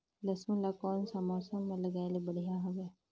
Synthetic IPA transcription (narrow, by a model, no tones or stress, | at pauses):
lɐsmũlakɔːnsaːmaːsõmẽlɐɡaːelebɐɽ̤ijaɦoːɡɛ